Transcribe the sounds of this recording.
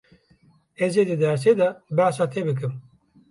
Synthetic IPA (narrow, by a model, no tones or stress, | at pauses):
ezed̪ed̪aːɾs̬ed̪abaːsat̪ʰebək̬ɨm